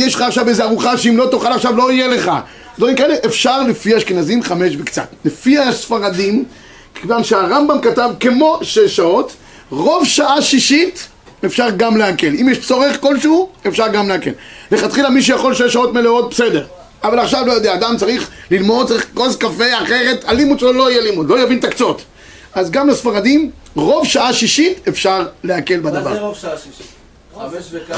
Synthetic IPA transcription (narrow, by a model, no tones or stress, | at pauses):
jeʃlaːχʃavejzeaʁuχaʃeimlo̞t̪oχalaχʃavlo̞ijele̞χa̰ | ed̪vaʁimkaeleʔefʃaʁlefiaʃkenazimχameʃvekt͡sa̰t̪lefiasfaʁadim | kʰevanʃeaʁambamkatavkemo̞ʃeʃao̞t̪ | ʁo̞vʃaʔaʃiʃit | efʃaʁɡamleake̞limjeʃt͡so̞ʁeχko̞lʃuefʃaʁɡamleake̞̰lle̞χat̪χilamiʃ̬ujaχo̞lʃejʃao̞t̪meleo̞t̪̚besedeʁ | avalaχʃavlo̞jodeaːd̪amt͡saʁiχlilmod̪̚t͡saɐʁiχkozkafeaχe̞ʁe̞t̪alimut̪ʃlolojɛlimud̪lo̞javint̪akt͡so̞t̪ | azɡamlasfaʁad̪im | ʁo̞vʃaʔaʃiʃitefʃaʁleake̞lbad̪ava̰ʁ